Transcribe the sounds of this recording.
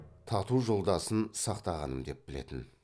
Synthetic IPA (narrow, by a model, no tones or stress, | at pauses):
t̪ʰɑt̪uʒo̞lˠd̪ɑsənsɑqt̪ɑʁɑnəmd̪e̞p̚bɪle̞̰t̪ɪn